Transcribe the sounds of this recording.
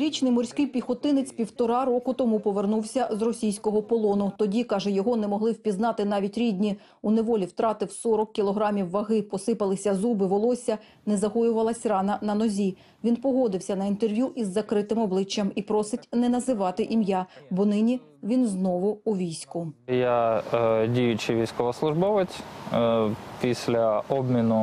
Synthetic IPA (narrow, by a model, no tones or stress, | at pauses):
ɾʲit͡ʃnɪjmɔɾʲsʲkɪjpʲixɔt̪ɪnɪt͡sʲpʲiwt̪ɔɾɑɾɔkʊt̪ɔmupɔʋernuwsʲɐzrɔsʲijsʲkɔɦɔpɔlˠɔnʊt̪ɔdʲikɑʒɛjɔɦɔnɛmɔɦlˠɪwpʲiznɑt̪ɪn̪ɑʋʲitʲɾʲidʲnʲi | uneʋɔlʲiwt̪ɾɑt̪ɪwsɔɾɔkːʲilˠɔɦɾɑmʲiwːɐɦɪpɔsɪpɐlˠɪsʲɐzubɪʋɔlˠɔsʲɐ | nɛzɐɦɔjʊʋɐlˠɐsʲrɑnɐnɐnɔzʲi | ʋʲinpɔɦɔd̪ɪwsʲɐnɐint̪erʋʲjuʔizːɐkɾɪt̪ɪmɔblˠɪt͡ʃːɐmipɾɔsɪtʲnɛnɐzɪʋɑt̪ɪʔimjabɔnɪnʲi | ʋʲinznɔʋʊːʋʲijsʲkʊja | dʲijʊt͡ʃɪʋʲijsʲkɔʋɐslˠʊʒbɔʋɪt͡sʲ | pʲisʲlʲɐɔbmʲinʊ